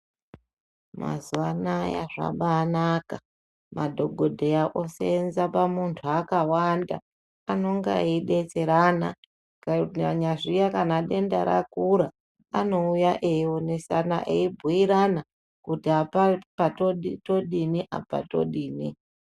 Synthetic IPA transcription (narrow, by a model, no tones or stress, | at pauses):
ma̰zuʋanaja̰ʐa̰ɓaːnaka | madʱo̞ɡʱo̞dʱejaʔo̞seːnzapamuntʰuakawanda̰ː | no̞ŋɡa̰iɗe̞t͡se̞ɾana | kaɲaʐijakanaɗe̞ndaɾa̰kuɾa | ano̞ujaʔeione̞sana̰ʔeibʱuiɾana | kutiapapatoɗito̞ɗiniʔa̰pa̰to̞̰ɗiːni